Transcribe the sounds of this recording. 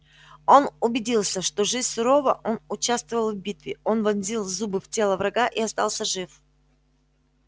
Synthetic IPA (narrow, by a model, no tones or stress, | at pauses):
o̞nʊbʲɪdʲilˠsʲəʂt̪o̞ʐɨzʲsʊɾo̞vəʔo̞nʊt͡ɕast̪vəvəlˠvbʲit̪vʲɪo̞nvɐnzʲilˠzubɨftʲe̞lˠəvɾɐɡaʔiɐst̪ɑlˠsʲəʐɨf